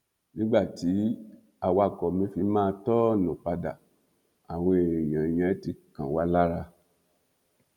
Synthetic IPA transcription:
nĩ˦ɡ͡ba˦˨ti˨˦ | a˨wa˧˨kɔ˨mĩ˧˦fi˧˦mãː˦˧tɔ˦˨nɔ̃˨k͡pa˧da̰˨ | a˨we˧˨jã˨j̃ɛ̃˨˦ti˧˦kã˨wa˨˦la˦ɾa˧

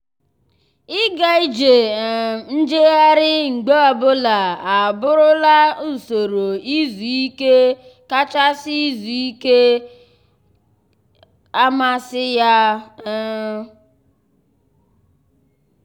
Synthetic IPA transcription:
ɪ˦ɡa˨i˦d͡ʒe˨n̩˦d͡ʒe˦ɣa˦ɾɪ˦ŋ͡m̩˨ɡ͡be˦ɔ˨bʊ˦la˨a˨bʊ˦ɾʊ˦la˦u˨so˨ɾo˨i˦zu˨i˦ke˦ | ka˦t͡ʃa˦sɪ˦i˦zu˨i˦ke˦ | a˦ma˦sɪ˦ja˦

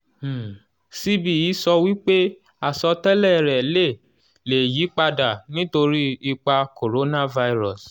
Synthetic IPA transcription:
si˦bi˨ji˨˦sɔ˧wi˦k͡pe˦ | a˦˨sɔ˧tɛ˦lɛ˦˨ɾɛ˨le˦˨ | le˨ji˨˦k͡pa˧da˨nĩ˦to˧ɾi˦i˧k͡pa˧ko˨ɾo˨˦nã˦˨va˧i˧ɾɔ˨s

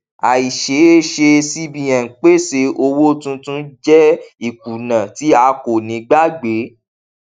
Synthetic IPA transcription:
a˨i˨ʃe˨˦e˦ʃe˧si˧bĩ˨jã˨k͡pe˦se˧o˧wo˦tũ˧˦tũ˦d͡ʒɛ˦i˨k̚u˨nã˨ti˨˦a˧ko˨nĩ˨˦ɡ͡ba˦ɡ͡be˨˦

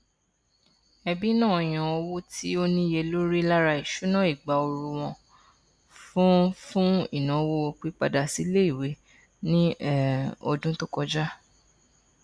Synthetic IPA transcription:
ɛ˧bi˦nã˦˨ɔ˨j̃ã˧ɔ˧wo˦tʰi˦o˦nĩ˦je˧lo˦ɾi˦la˦ɾa˧i˨ʃu˨˦nã˦˨i˨ɡ͡ba˨o˧ɾu˧w̃ɔ̃˧ | fũ˦fũ˦ḭ˦˨nã˨˦wo˦o˧k͡pi˨˦k͡pa˧da˧si˨˦le˦i˦˨we˨˦ | nĩ˦ | ɔ̰˧dũ˦to˦kɔ˧d͡ʒa˦

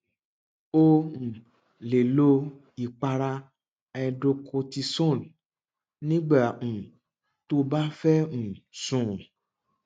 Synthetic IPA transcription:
õ˧˨ | le˨lo˧ | i˨k͡pa˧ɾa˧ | ɛ˧do˧kʰo˧ti˧sɔ̃˦˨n | nĩ˦ɡ͡ba˦˨ũ˨ | to˦ba˦fɛ˦ñ̩˨sũ˨

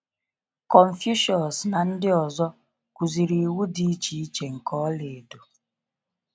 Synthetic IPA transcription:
kɔ˨ɱ̩˨fju˦ʃɔ˨n˨sna˨n̩˦dɪ˦ɔ˨zɔ˦ | ku˨zi˨ɾi˨wu˦di˦i˦t͡ʃi˨˦i˦t͡ʃe˨ŋ̩˨kɔ˦le˨do˨

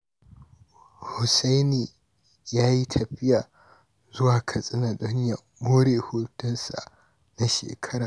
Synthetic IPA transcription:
hʊ˨sa˦jniː˨ | jaː˦ji˦tʰɐ˨ɸɪ˦jaː˨ | zʊ˦waː˨kʰɐ˨sʼɪ˦na˨ɗɔ˦ɲja˨ | moː˦ɽeː˨huː˦tɐ˦nsa̰˨ | na˦ʃḛː˨kʰɐ˦ɾaː˨

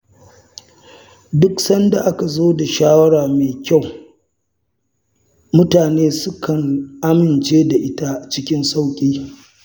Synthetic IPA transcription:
dʊ˦ksɐ˦nda˨ʔa˦ka˨zoː˦da˨ʃaː˦wɐ˦ɽaː˨meː˨kʲa˦˨w | mʊ˦taː˨neː˦sʊ˦kʰɐ˨ŋʔa˦mɪ˨nt͡ʃeː˦da˨ʔɪ˦ta˦t͡ʃɪ˦kʲɪ˦nsa˦wkʲʼiː˦

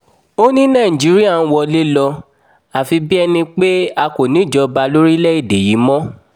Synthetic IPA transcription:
o˦nĩ˦nã˦˨ĩ˨d͡ʒi˨˦ɾi˦a˦˨ñ̩˦wɔ˧le˦lɔ˧ | a˨fi˧bi˦ɛ˧nĩ˧k͡pe˦a˧ko˨nĩ˨˦˨d͡ʒɔ˧ba˧lo˦ɾi˦lɛ˦i˦˨de˨ji˨˦mɔ̃˦

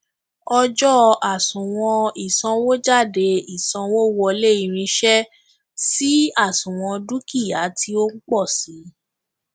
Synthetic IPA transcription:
ɔ˧d͡ʒɔ˦a˨sũ˨w̃ɔ̃˧i˨sɔ̃˧wo˦d͡ʒa˦˨de˧i˨sã˧wo˦wɔ˧le˦i˧ɾ̃ĩ˧ʃɛ˦ | si˦a˦˨sũ˨w̃ɔ̃˧du˦ki˦˨a˨˦tʰi˧o˦k͡pɔ˦˨si˨˦

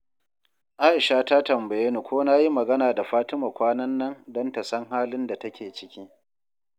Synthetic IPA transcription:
ʔaː˦ʔɪ˨ʃa˦ta˦tɐ˨mbɐ˨jːe˦ni˨kʷoː˦naː˦ji˦mɐ˨ɡɐ˦naː˨da˨ɸaː˦tɪ˦ma˨kʷaː˦nɐ˦nːɐ˦ndɔ˦nta˨sɐ˦ŋɦaː˦lɪ˦nda˨tɐ˦kʲeː˨t͡ʃɪ̥˦kʲiː˦

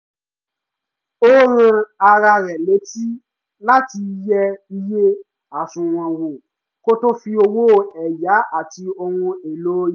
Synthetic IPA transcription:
o˦ɾũ˧a˧ɾa˧ɾɛ˨le˨˦ti˦ | la˦ti˧jɛ˧i˧je˦ | a˨sũ˨w̃ã˨wo˨ | ko˦to˦fi˧o˧wo˦˨˧ɛ˨ja˨˦ʔa˦˨ti˧o˧hũ˧e˨loː˦˨

